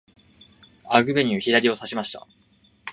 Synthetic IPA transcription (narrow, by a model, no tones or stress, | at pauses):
aɡɯ̟be̞ɲ̟ːçiɾaɾʲio̞saɕimaɕi̥t̪a̰